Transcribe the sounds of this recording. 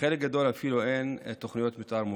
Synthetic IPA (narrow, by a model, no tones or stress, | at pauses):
elek̚ɡad̪o̞lafiluʔent̪oχnijot̪mit̪ʔaɾmu